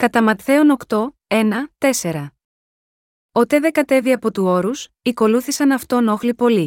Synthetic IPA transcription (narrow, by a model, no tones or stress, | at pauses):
kɐt̪ɐmɐt̪θe̞o̞no̞kt̪o̞ | e̞nɐt̪e̞se̞ɾɐ | ot̪e̞ðeɡɐt̪e̞viɐpo̞t̪uo̞ɾus | iko̞luθisɐnɐft̪ono̞xlipo̞li